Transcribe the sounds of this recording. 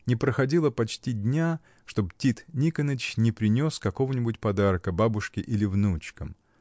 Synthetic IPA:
nʲɪpɾəxɐdʲilˠəpɐt͡ɕtʲidʲnʲa | ʂt̪o̞btʲit̪nʲikənət͡ɕnʲɪpɾʲɪnʲo̞skɐko̞vənʲɪbʊtʲpɐd̪arkəbabʊʂkʲɪʔilʲɪvnut͡ɕkəm

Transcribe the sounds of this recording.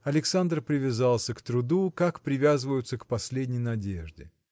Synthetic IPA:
ɐlʲɪksand̪rpɾʲɪvʲɪzalˠsʲəkt̪ɾʊd̪ukakpɾʲɪvʲazɨvəjʊt̪səkpɐsʲlʲedʲnʲɪjnɐdʲeʐdʲɪ̰

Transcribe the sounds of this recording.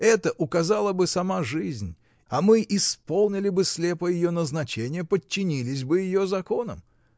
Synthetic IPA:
ɛt̪əʔʊkɐzalˠəbɨsɐmaʐɨzʲnʲ | ɐmɨʔɪspo̞lˠnʲɪlʲɪbɨslʲepəjɪjo̞nəznɐt͡ɕenʲɪjəpət͡ɕːɪnʲilʲɪs̬ʲbɨjɪjozɐko̞nə̰m

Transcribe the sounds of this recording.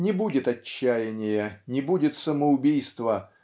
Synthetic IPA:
nʲɪbudʲɪt̪ɐt͡ɕːæjɪnʲɪjənʲɪbudʲɪt̪səməʊbʲijst̪və

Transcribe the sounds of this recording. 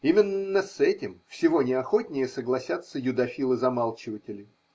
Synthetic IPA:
imʲɪnːəsɛtʲɪmfsʲɪvo̞nʲɪɐxo̞tʲnʲɪjəsəɡlˠɐsʲat̪sːəjʊd̪ɐfʲilˠɨzɐmalˠt͡ɕɪvətʲɪlʲɪ

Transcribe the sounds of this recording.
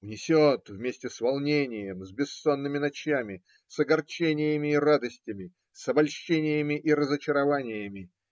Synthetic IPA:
vnʲɪsʲot̪vmʲesʲtʲɪsvɐlˠnʲenʲɪjəmzʲbʲɪsːonːɨmʲɪnɐt͡ɕjamʲɪ | sɐɡɐrt͡ɕenʲɪjəmʲɪːrad̪əsʲtʲɪmʲɪ | sɐbɐlʲɕːenʲɪjəmʲɪʔiɾəzət͡ɕɪɾɐvanʲɪjəmʲɪ

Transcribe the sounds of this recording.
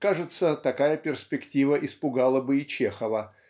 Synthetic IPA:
kaʐɨt̪sət̪ɐkajəpʲɪrsʲpʲɪktʲivəʔɪspʊɡalˠəbɨɪt͡ɕexəvə

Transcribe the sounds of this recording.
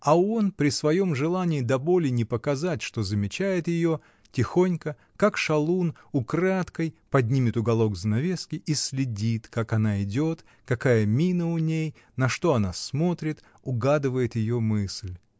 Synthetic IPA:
ɐo̞npɾʲɪsvɐjo̞mʐɨlˠanʲɪːd̪ɐbo̞lʲɪnʲɪpəkɐzatʲʂt̪o̞zəmʲɪt͡ɕæjɪt̪jɪjo̞ | tʲɪxo̞nʲkə | kakʂɐlˠun | ʊkɾat̪kəjpɐdʲnʲimʲɪt̪ʊɡɐlˠo̞ɡzənɐvʲeskʲɪʔisʲlʲɪdʲit̪kakɐnaɪdʲo̞t̪ | kɐkajəmʲinəʊnʲej | nɐʂt̪o̞ɐnasmo̞t̪ɾʲɪt̪ | ʊɡad̪ɨvəjɪt̪jɪjo̞mɨsʲlʲ

